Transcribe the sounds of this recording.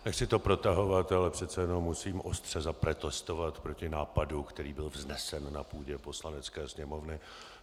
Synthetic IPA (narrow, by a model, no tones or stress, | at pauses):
nɛxsɪt̪o̞pɾo̞t̪aɦo̞vat̪ɛalɛpr̝̥ɛt̪t͡sɛjɛno̞mːusiːmʔo̞st̪r̝̥ɛzapɾɛt̪ɛst̪o̞vat̪pɾo̞cɪnaːpadukt̪ɛɾiːbɪlvznɛsɛnːapuːɟɛpo̞slanɛt͡skɛːsɲɛmo̞vnɪ